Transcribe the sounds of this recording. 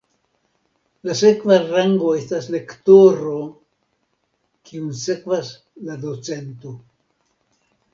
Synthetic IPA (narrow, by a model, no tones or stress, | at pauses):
lase̞kvaɾaŋɡo̞e̞stasle̞ktoɾo | kiunse̞kvas | ladot͡se̞nto̞